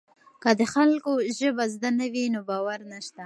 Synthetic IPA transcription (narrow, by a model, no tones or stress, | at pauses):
kad̪əxalkoʒəbazd̪anawinobɑwaɾnaʃt̪a